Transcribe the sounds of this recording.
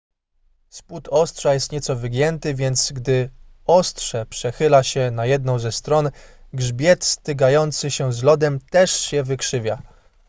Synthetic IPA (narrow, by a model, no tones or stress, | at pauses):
sput̪ɔstʂajɛst̪ɲɛt̪sɔvʲɘɡʲjɛnt̪ɘvʲjɛnt̪sɡd̪ɘ | ɔst̪ʂɛpʂɛxɘlaɕɛnajɛd̪̚nɔ̃w̃zɛst̪ɾɔnɡʐbʲjɛt̪st̪ɘɡajɔnt̪sɘɕɛzlɔd̪ɛmt̪ɛʂɕɛvɘkʂɘvʲja